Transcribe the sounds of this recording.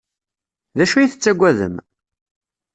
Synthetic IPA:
ðæʃujiθət͡sːæɡʷːæðə̰m

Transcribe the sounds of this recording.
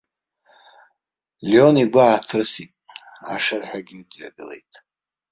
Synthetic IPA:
ljo̞niɡʷaatʰɨrsitʼ | a̰ʂarħᶣaɡʲidɥa̰ɡɨlḛjtʼ

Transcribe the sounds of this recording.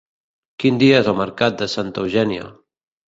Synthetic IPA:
kind̪iəezəlˠməɾkat̪̚d̪əsant̪əwʒɛnjo̰

